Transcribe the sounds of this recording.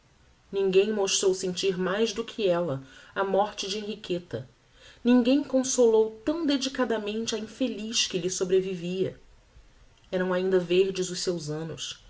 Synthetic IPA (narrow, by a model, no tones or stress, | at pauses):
nĩŋɡẽj̃moʃt̪ɾowsẽnt͡ʃiɾmajzd̪ʊkʰɪɛlɐɐmɔɾt͡ʃɪd͡ʒɪẽɦiket̪ɐ | nĩŋɡẽj̃kõsolowt̪ɐ̃w̃d̪ed͡ʒikad̪ɐmẽnt͡ʃɪɐĩfeliʃkɪlɪsobɾeviviɐ | ɛɾɐ̃w̃aĩnd̪ɐveɾd͡ʒɪzʊʃsewzɐ̃nʊ̰s